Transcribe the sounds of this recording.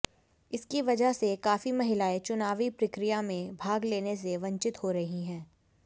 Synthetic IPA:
ɪskiʋɐd͡ʒəɦsekaːfimɐɦɪlaːet͡ʃʊnaːʋipɾɪkɾɪjamẽbʱaːɡleːnes̬eʋɐ̃ɲt͡ʃɪt̪hoɾɐɦiɦɛ̃ː

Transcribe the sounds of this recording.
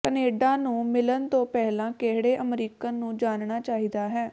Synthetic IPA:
kəneːɖãːnũːmɪlənt̪õːpɛːlãːkeɦɽeːʔəmɾiːkaːnũːd͡ʒaːnɳaːt͡ʃaːɦiːd̪aːɦɛː

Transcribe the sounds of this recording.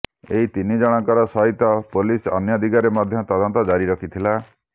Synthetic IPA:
ḛɦit̪inid͡ʒɔɽ̃ɔ̃ŋkɔɾɔsɔɦit̪ɔpolisɔ̰njɔd̪ʱiɡaɾemɔd̪ʱjɔt̪ɔd̪ɔnt̪ɔd͡ʒaɾiɾɔkʰit̪ʰila

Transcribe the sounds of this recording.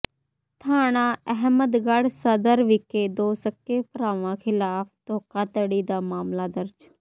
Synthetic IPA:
t̪ʰaːɽ̃ãːəɦməd̪ɡəɽsəd̪əɾʋɪkeːd̪oːsəkːeːpəɾaːʋãːxʰɪlaːpt̪oːkaːt̪əɽiːd̪aːmaːmlaːd̪əɾd͡ʒ

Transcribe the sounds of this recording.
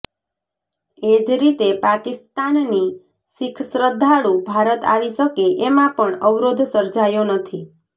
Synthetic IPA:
ed͡ʒɾit̪epakɪst̪anːi | sikʰsɾəd̪ʱːaɽũbʱaɾət̪a̰ɭisəkeʔemãpəɳəʋɾod̪ʱsəɾd͡ʒajonət̪ʰi

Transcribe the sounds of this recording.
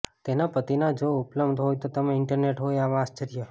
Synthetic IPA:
t̪enapət̪inad͡ʒoʊpləbd̪ʱɦojt̪ot̪əmeɪɳʈəɾneʈɦojaʋaast͡ʃəɾijə

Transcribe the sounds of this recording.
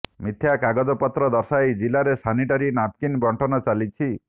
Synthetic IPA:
mit̪ʰjakaɡɔd͡ʒɔpɔt̪ɾɔd̪ɔɾsajd͡ʒilaɾesaniʈaɾinap̚kinbɔɳʈʰɔnɔt͡ʃalit͡ʃʰi

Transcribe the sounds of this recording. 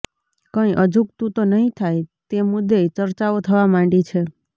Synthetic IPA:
kə̃iʔəd͡ʒʱukt̪ũt̪onəɦĩt̪ʰajt̪emud̪et͡ʃəɾt͡ʃaot̪ʰəʋamãɳɖit͡ʃʰe

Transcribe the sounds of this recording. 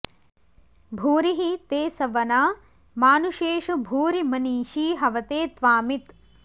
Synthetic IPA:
bʱuːɾiɦit̪eːsɐʋɐnaː | maːnuʃeːʃɐbʱuːɾimɐniːʃiːɦɐʋɐt̪eːt̪ʋaːmit̪

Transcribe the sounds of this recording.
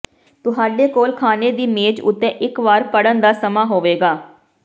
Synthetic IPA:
t̪ʊɦaːɖeːkoːlkʰaːneːd̪iːmeːd͡ʒʊ̰t̪ːẽːʔɪkʋaːɾpəɽənd̪aːsəmaːɦoːʋeːɡaː

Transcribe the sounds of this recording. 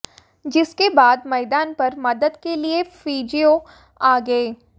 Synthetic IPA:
d͡ʒɪskebaːd̪mɛːd̪aːnpɐɾmɐd̪əd̪keliefiːd͡ʒijo | aːɡɐeː

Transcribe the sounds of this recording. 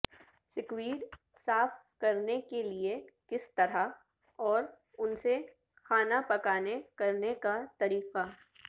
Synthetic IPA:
sɪkwiːɖ | saːf | kɐɾnekeliekɪst̪ɐɾa | ɔːɾ | ʊnse | xaːnapɐkaːnekɐɾnekat̪ɐɾiːqa

